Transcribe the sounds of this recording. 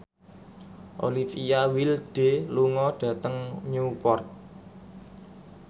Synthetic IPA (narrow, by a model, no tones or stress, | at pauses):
ʔo̰lifijawilɖ̥e̤luŋɔɖ̥ä̤t̪əŋɲupɔrt̪̚